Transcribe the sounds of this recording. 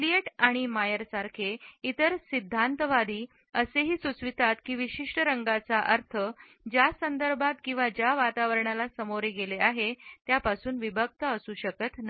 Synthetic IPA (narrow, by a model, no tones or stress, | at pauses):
klieʈaɽ̃imajəɾsaɾkʰeit̪əɾsid̪ʱːant̪əʋad̪iː | əseɦiːsut͡sʋit̪at̪kiːʋiɕiʂʈəɾəŋɡat͡saʔəɾt̪ʰə | d͡ʑjasənd̪əɾbʱat̪̚kĩw̃ʋad͡ʑjaʋat̪aʋəɾɳalasəmoɾeɡeleaɦet̪japasuːnʋibʱək̚t̪əəsuːɕəkət̪na